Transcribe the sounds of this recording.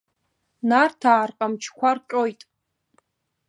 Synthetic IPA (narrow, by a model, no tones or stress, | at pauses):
nartʰaːrqʼamt͡ʃʰkʷʰarqʲʼojtʼ